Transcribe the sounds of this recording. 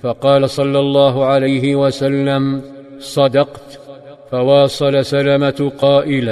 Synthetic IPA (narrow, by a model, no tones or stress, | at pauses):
fɑqɑːlasˤɑlːɑlˤːɑːɦʊʕalajɦɪwasalːam | sˤɑd̪ɑqt̪ | fawɑːsˤɑlasalamaqɑːʔɪla